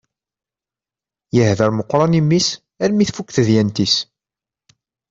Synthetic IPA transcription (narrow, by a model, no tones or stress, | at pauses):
jəhðəɾməqːɾˤɑnimːis | æɾmiθfukːθəðjænt̪is